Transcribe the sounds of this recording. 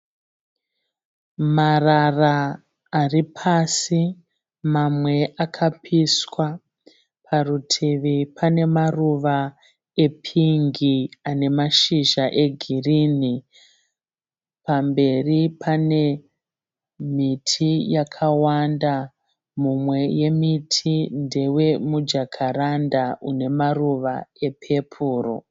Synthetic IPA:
mararaː | ripʰasi | mamwe̞ʔakʰapʰiswa | pʰarutʰiʋipʰane̞maruʋa | e̞pʰiŋɡiane̞maʃiʒaʔe̞ɡʱirini | pambe̞ripʰane̞ | mitʰijakʰawanda | mumwe̞je̞mitʰinde̞we̞mud͡ʒakʰaɾandaʔune̞maruʋae̞pʰe̞pʰuːro̰

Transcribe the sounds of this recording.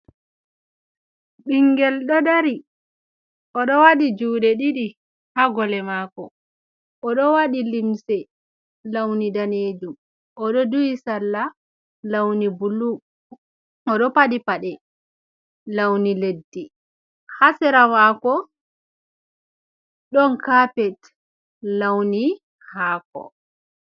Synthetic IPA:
ɓiŋɡɛlɗɔdaɾi | ʔɔɗɔwaɗid͡ʒuːɗɛɗiɗi | haɡɔlɛmaːkɔ | ʔɔɗɔwaɗilimsɛ | lawnidaneːd͡ʒum | ʔɔɗɔdujisalːa | lawnibulːu | ɔɗɔpaɗipaɗɛ | lawniledːi | hasɛɾamaːkɔ | ɗɔnkaːpɛt | lawni | haːkɔ̰

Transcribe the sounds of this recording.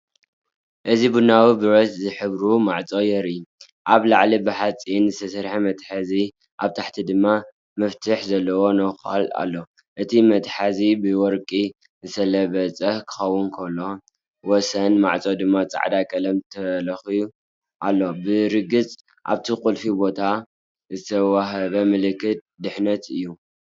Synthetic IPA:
ʔɨzibunawibɨɾot̪zɨħɨβɾumaʕt͡sʼojɛɾiju | ʔaβlaʕlibɨħat͡sʼinzɨst̪ʰɐsɐɾħamɐt̪ħazi | ʔaβt̪ʰaħt̪ʰid̪ɨmːa | mɐft̪ʰɨħzɐlːɐwo̞nɐxa̰la̰lːo̞ | ʔɨt̪ʰimɐt̪ħazibɨwɔɾkʼi | zɨsɐlɐβɐt͡sʼɐhkʰɨ̥xɐwːʊnkʰɐlːo̞ | wɔsɐnma̰ʕt͡sʼod̪ɨmːat͡sʼa̰ʕd̪akʼɐlɐmt̪ʰɐlɐxiju | ʔalːo̞bɨɾɨɡɨt͡sʼ | ʔa̰βt̪ʰikʼulfibo̞t̪ʰa | zɨt̪ʰɐwaɦɐβɐmɨlɨkʰːɨt̪̚d̪ɨħnɐt̪ʰɨjːu

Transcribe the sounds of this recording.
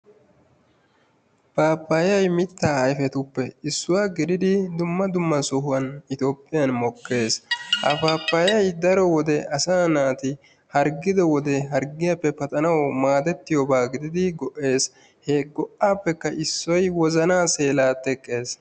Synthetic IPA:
paːpːajɐjmɪt̪ːaːɐjfɛt̪ʊpːɛɪsːʊwaːɡɪd̪ɪd̪ɪd̪ʊmːɐd̪ʊmːɐsɔhʊwɐnɪt̪oːpʼːɪjɐnmɔkːe̞ːshɐ̰paːpːajɐjd̪ɐɾɔwɔd̪ɛʔɐsaːnaːt̪ɪ | hɐɾɡɪd̪ɔwɔd̪ɛɦɐɾɡɪjɐpːɛpɐt̪ʼɐnɐwmaːd̪ɛt̪ːɪjɔbaːɡɪd̪ɪd̪ɪɡɔʔe̞ːs | heːɡɔʔːaːpːɛkːɐʔɪsːɔjwɔzɐnaːse̞ːlaːt̪ɛkʼːe̞ːs

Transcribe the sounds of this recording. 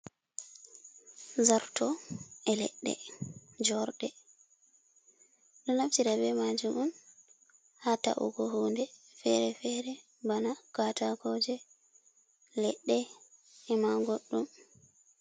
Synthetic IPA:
zaɾtɔɛlɛ̰ɗːɛ̰d͡ʒɔɾɗɛ | ɗɔnaftiɾabɛmad͡ʒumɔn | hata̰ʔṵɡɔɦuːndɛfɛɾɛfɛɾɛ | banakataɡɔd͡ʒɛ | lɛɗːɛɛmaɡoɗːum

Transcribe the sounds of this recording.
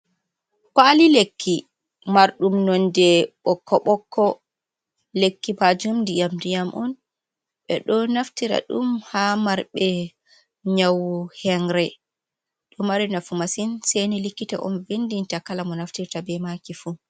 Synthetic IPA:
kaːlilekːi | maɾɗumnɔndɛɓɔkʰːɔɓɔkʰːɔ | lekːibad͡ʒumndijamdijamʔɔn | ɓɛ̰ɗɔnaftiɾa̰ɗṵmhamaɾɓɛ | ɲawhɛŋɾɛ | ɗɔmaɾinafumasinsejnilikːita̰ʔɔ̰nvendintakalamɔnaftiɾtabɛmakifu

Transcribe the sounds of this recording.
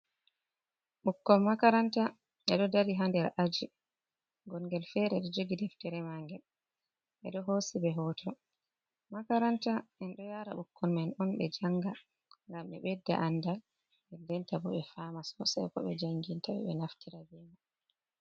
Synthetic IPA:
ɓukːɔnmakaɾanta | ʔɛɗɔdaɾiɦandɛɾʔad͡ʒi | ɡɔŋɡɛlfɛɾɛɗɔd͡ʒoɡidɛftɛɾɛmaŋɡɛl | ʔɛɗɔɦosibɛɦɔtʰɔ | makaɾantaʔɛnɗɔjaɾa̰ɓukːɔnmɛnɔnɓɛd͡ʒaŋɡa | ŋɡamɛ̰ɓɛdːa̰ʔandal | ɓɛdɛntabɔɓɛfamasɔ̰sa̰jkɔ̰ɓɛ̰d͡ʒaŋɡintaɓɛ̰ɓɛnaftiɾabɛma

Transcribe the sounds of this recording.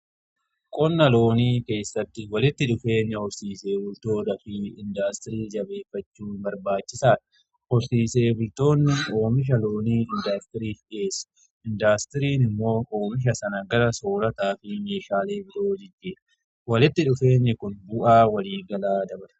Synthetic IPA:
kʼɔnːɐlo̞ːniːke̞ːsːɐt̪ːɪwɐlɪt̪ːɪᶑʊfe̞ːɲːɛhɔɾsiːse̞ːbʊlt̪o̞ːd̪ɐfɪɪnd̪aːst̪ɪɾiːd͡ʒɐbe̞ːfːɐt͡ʃːuːnbɐɾbaːt͡ʃːɪsaːᶑɐ̥ | hɔɾsiːse̞ːbʊlt̪o̞ːnːɪo̞ːmɪʃ̬ɐlo̞ːniːɪnd̪aːst̪ɪɾiːfᶑeːsɐ̥ | ɪnd̪aːst̪ɪɾiːnɪmːo̞ːoːmɪʃ̬ɐsɐnɐɡɐɾɐso̞ːɾɐt̪aːfɪme̞ːʃaːleːbɪɾo̞ːd͡ʒɪd͡ʒːeːᶑ | wɐlɪt̪ːɪᶑʊfe̞ːɲːɛkʊnbʊʔaːwɐliːɡɐlaːd̪ɐbɾɐ̥

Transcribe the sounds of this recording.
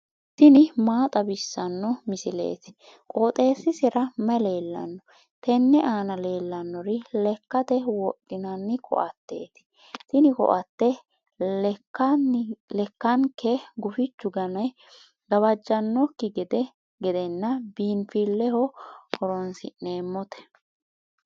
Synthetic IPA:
t̪ɪnɪmaːt̪ʼɐbɪsːɐnːɔmɪsɪlḛːt̪ɪ̥ | kʼoːt̪ʼe̞ːsːɪsɪɾɐmɛleːlːɐ̰nːɔ | t̪ɛnːɛʔaːnɐle̞ːlːɐnːɔɾɪlɛkːɐt̪ɛwɔkʼːɪnɐnːɪkʰɔ̰ʔɐt̪ːe̞̰ːt̪ɪ̥ | t̪ɪnɪkɔ̰ʔɐt̪ːɛ | lkːɐnlɛkːɐŋkɛɡʊfɪt͡ʃːʊɡɐnɐj | ɡɐβɐd͡ʒːɐnːɔkːɪɡɛd̪ɛ | ɡɛd̪ɛnːɐbiːnfilːɛhɔkɔɾɔnsɪ̰ne̞ːmːɔt̪ɛ̥

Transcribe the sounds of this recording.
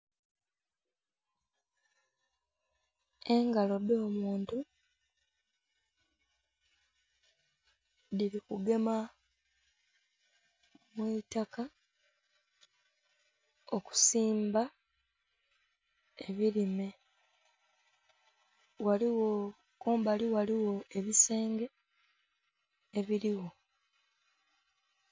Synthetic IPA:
e̞ŋɡalo̞do̞ːmuːntu | diɾikuɡe̞ma | mwitaka | oku̥siːmba | eβiɾime̞ | waliwo | koːmbaliwaliwo̞e̞βise̞ːŋɡe̞ | βiɾiwo̞

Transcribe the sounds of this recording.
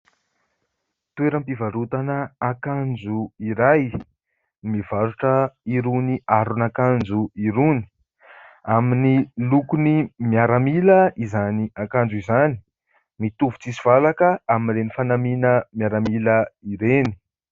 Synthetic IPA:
t̪ueɾəmpivaɾut̪anəakand͡ʒuiɾaj | mivaɾuʈ͡ʂəiɾuniaɾunakand͡zuiɾuni̥ | aminilukunimjaɾamiləizaniakand͡zuizani̥ | mit̪uvu̥t͡sisi̥v̥alakəaminɾenifanaminəmjaɾamiləiɾeni̥

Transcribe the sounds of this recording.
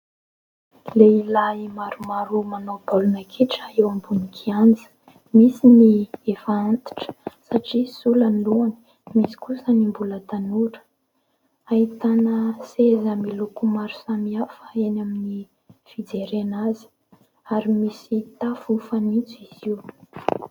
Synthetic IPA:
leilaimaɾumaɾumanobalunakʰeʈ͡ʂaewambunikʰiand͡zə̥ | misiniefaant̪i̥ʈ͡ʂə̥saʈ͡ʂisulanluani̥ | misi̥kusənimbulət̪anuɾə̥ | ait̪anəsezamilukumaɾu̥samiafəenamini | fid͡zeɾenazi̥ | aɾimisit̪afufanit͡suiz̥iw

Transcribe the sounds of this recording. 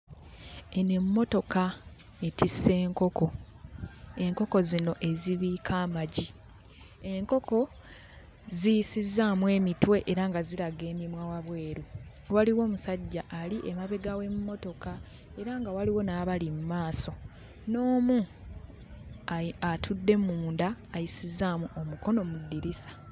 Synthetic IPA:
ene̞mːo̞to̞ka | e̞tisːe̞ːŋko̞ko̞ | e̞ŋko̞ko̞zino̞ʔe̞ziβiːkʰaːmaɟi | e̞ŋko̞ko̞ | zijsizːamwe̞ːmitwe̞ʔeɾaŋɡaziɾaɡe̞ːmimwawaβwe̞ːɾu | waliwo̞ːmusaɟːaʔːliʔemaβe̞ɡawe̞mumo̞to̞ka | e̞ɾaŋɡawaliwo̞naːβalimumaːso̞ | no̞ːmu | aatʰudːe̞muːndaːjisizaːmuʔomuko̞no̞mudːiɾisḁ

